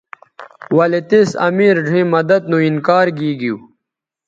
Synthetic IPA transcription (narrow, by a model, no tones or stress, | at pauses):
wɐlet̪esɐ̰miːɾɖʱĩːmɐd̪ɐd̪̚nũinkaːɾɡiːɡiu